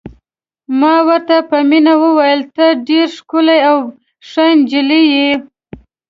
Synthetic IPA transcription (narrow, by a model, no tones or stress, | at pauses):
mɑwəɾt̪apəminawəwajəlt̪əɖeɾʂkʊlajaw | ʂajnd͡ʒɪlije